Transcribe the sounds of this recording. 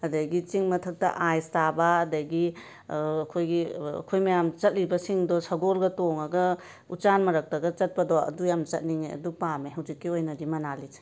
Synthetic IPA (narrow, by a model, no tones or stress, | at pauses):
ɐdɐɡit͡ʃiŋmɐtʰɐk̚tɐ̰ʔajstabɐːdɐɡi | ɐkʰojɡiɐ̰kʰojmɐjamt͡ʃɐt̚libɐsiŋdɔsɐɡolɡɐtoŋɐɡɐ | ut͡ʃanmɐɾɐk̚tɐɡɐt͡ʃɐt̚pɐdɔɐ̰dujamt͡ʃɐt̚niŋeɐ̰dupameɦɐwzikːiojnɐdimɐnalise̥